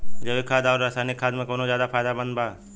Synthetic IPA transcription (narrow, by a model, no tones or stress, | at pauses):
d͡ʒəbikʰaːd̪aːɾaːsaːnɪkʰːaːd̪mẽkoːnõzjaːd̪apʰaːjd̪abə̃nd̪bʱaː